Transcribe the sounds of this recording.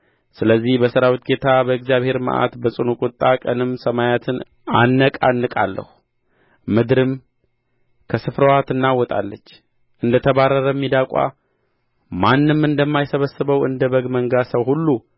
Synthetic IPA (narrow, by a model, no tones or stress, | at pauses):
sɨləzːihbəsɨɾawit̪̚ɡe̞t̪ʰabəɨɡzijaβhe̞ɾmə̰ʔa̰t̪bəsʼɨnukʼʊt̪ʼːakʼənɨmsəmajat̪ʰɨn | anːəkʼanːɨkʼa̰lːə̰hu | mɨd̪ɾɨm | kʰəsɨfɾəwat̪ɨnːawɔt̪ʼa̰lːət͡ʃː | ʔɨnd̪ət̪ʰəβarːəɾəmːid̪akʷʼa̰ | manːɨmɨnd̪əmːajsəβəsɨβəwɨ̰nd̪əβəɡməŋɡasəwhulːu